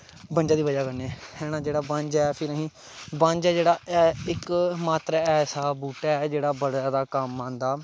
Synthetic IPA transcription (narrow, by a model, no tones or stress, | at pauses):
bənd͡ʒaːd̪iːʋəd͡ʒaːkəneɛːhɛːnãːd͡ʒeːɽaːbãɲd͡ʒɛːpʰɪɾəɦĩː | bãɲd͡ʒɛːd͡ʒeːɽaːɪkmaːt̪ɾaːɛːsaːbuːʈɛːɛːd͡ʒeːɽaːbəɽaːd̪aːkəmːãːnd̪aː